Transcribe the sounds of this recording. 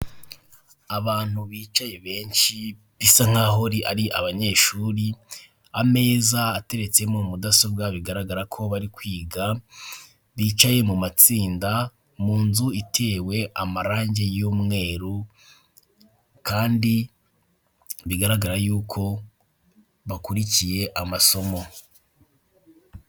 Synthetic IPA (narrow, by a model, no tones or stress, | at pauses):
aβaːn̥uβiːt͡ʃaje̞βe̞ːnʃi | βisaŋ̥aːɦoɾiʔaɾiʔa̰βaɲe̞ːʃuɾi | ame̞ːzaːte̞ɾe̞t͡semomudasob̚ɡaβiɡaɾaɡaɾakʰo̞βaɾikwiːɡa | βiːt͡ʃaje̞mumat͡siːnda | muːnzuitʰe̞ːwe̞ʔamaɾaːɲɟe̞juːmŋe̞ːɾu | kaːndi | βiɡaɾaɡaɾajuːkʰo̞ | βakuɾicije̞ʔamaso̞mo̞